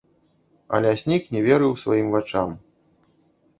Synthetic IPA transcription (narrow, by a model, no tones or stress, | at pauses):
ɐ̰lʲɛsʲnʲiknʲɛvʲɛɾɨwsvajimvat͡ʂam